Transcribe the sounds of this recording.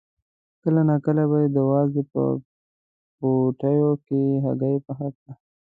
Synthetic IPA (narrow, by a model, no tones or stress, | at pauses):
kəlanakəlabajed̪əwɑzepə̰ | poʈajokeɦa̰ɡajpəxak̪̚a